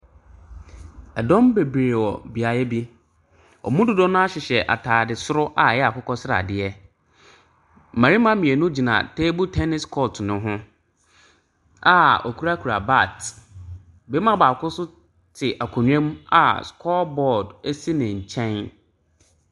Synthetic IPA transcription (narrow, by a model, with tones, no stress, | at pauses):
ɛ˨dɔ̃˦mbe˨bɾe˨wɔ̰˨bi˨a˨jɛ˦bi˦ | ɔ̰˨mũ˦dʊ˨dɔ̃˦nʊ̃˦a˦ɕɪ˨ɕɛ˨ʔa̰˨tʰaː˨dɪ˨sʊ˦ɾʊ˦ʔa˨jɛ˦a˨kʊ˦kɔ˦sɪ˦ɾa̰˨dɪ˨ɛ˦ | m̩˨mã˨ɾi˦mã˦mĩ˨ɛ˨nʊ̃˦d͡ʑi˨nã̰˨tʰeː˦bʊ˦tʰɛ˦nɪ˦skʰɔ˦˨ltʰnʊ̃˨˦ɦʊ̃˦ | a˨ɔ̰˨kʰu˦ɾa˦kʰu˨ɾa˨ba˦˨t | be˨˦mã˦˨baː˨kʊ˦sʊ˦ | tʰɪ˨ʔa˨kʰʊ˨ɲᶣ˦ɛ̃˦ma̰˨skʰɔ˦bɔ˦˨de˦si˦nɪ̃˨ɲ̩˨t͡ɕʰɛ̃˦n